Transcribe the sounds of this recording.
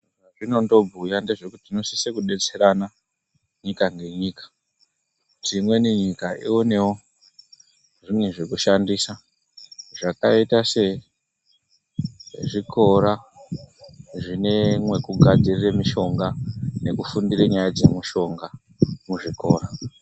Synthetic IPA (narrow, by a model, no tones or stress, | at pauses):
aʐino̞ndo̞bʱujande̞ʐe̞kutino̞sisekuɗe̞t͡se̞ɾana | ɲikaŋɡe̞ɲiːkḁ | ʐimwe̞niɲikaʔione̞wo | ʐimwe̞ʐekuʃandiːsa | ʐakaitase̞ | ʐikʰo̞ɾa | ʐine̞mwe̞kuɡʱad͡ziriremiʃo̞ŋɡane̞kufundiɾeɲajad͡ze̞muʃo̞ŋɡa | muʐiko̞ːra